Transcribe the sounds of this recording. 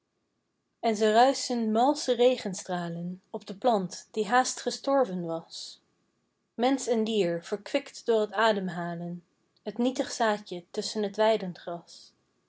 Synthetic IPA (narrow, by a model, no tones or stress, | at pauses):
ɛnzərœɥsənmɑlˠsərejχənstraːlənɔbdəplɑntd̥iɦaːstχəstɔɹvənʋɑs | mɛnsɛndiːɹv̥əɹkʋɪktdʊːɹɦətaːdəmɦaːlən | ɦətnitəχsaːcətɵsənɦətʋɛjdənχrɑs